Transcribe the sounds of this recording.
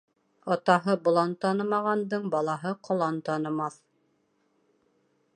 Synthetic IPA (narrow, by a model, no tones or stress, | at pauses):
ɑt̪ɑɦɤbŏlˠɑnt̪ɑnɤ̆mɑʁɑnd̪ɤɴbɑlˠɑɦɤqʰŏlˠɑnt̪ɑnɤ̆mɑθ